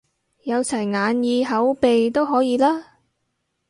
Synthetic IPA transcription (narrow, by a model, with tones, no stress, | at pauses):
jɐ˨˧wt͡sʰɐ˨˩jŋaː˨˧njiː˧ɦɐ˨˥wpe˨jt̪o˥wɦɔː˨˥jiː˧laː˥